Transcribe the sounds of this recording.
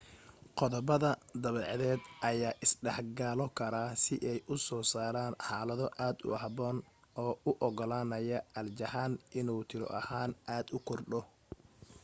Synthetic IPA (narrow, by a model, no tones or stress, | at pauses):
qɔðɔbɐðɐd̪ɐβɛːʕðɛːd̪ʔɐjaːʔɪsɖɛħɡaːlɔkʰɐɾaːsɪʔɛjʔʊsɔːsaːɾaːnħaːlɐðɔʔaːd̪ʊ̰ɑhbɔːn | ɔːʊʔɔɡɔlaːnɐjɐʔɐld͡ʒɐhaːnɪnuːt̪ʰɪɾɔ̰ʔɐ̰haːnaːd̪ʊkʰɔrɖɔ